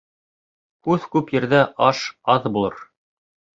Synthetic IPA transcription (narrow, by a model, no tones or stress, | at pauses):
kʉðkʉpjɘ̆ɾðæʔɑʃɑðbulˠɤ̰ɾ